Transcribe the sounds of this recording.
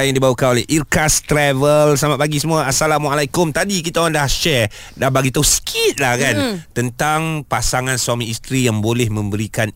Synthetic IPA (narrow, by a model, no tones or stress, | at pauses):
jaŋdibawakanolɛhʔirkast̪ɾɛvəlsamaʔ̚baɡisəmũaasalamualajkʊmt̪adikit̪aadahʃɛr | dabaɡit̪ausə̥kʰit̪̚lahkant̪ənt̪aŋpasaŋãnswamĩist̪ɾijaŋbolɛhmə̃mbəɾikan